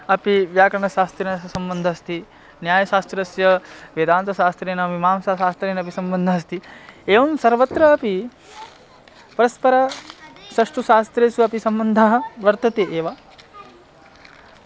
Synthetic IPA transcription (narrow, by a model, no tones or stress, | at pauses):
ɐpiʋjaːkɐɾɐɳɐʃaːst̪ɾeːnɐsɐmbɐnd̪ʱɐɐst̪i | njaːjɐʃaːst̪ɾɐsjɐʋed̪aːnt̪ɐʃaːst̪ɾeːnɐɐpimaːmsaːʃaːst̪ɾeːnɐp̬isɐmbɐnd̪ʱɐɐst̪ieːʋɐmsɐɾʋɐt̪ɾɐːpi | pɐɾɐspɐɾɐʃɐʂʈuʃaːst̪ɾeːsuɐpisɐmbɐnd̪ʱaɦɐʋɐɾt̪ɐt̪eʔeːʋaː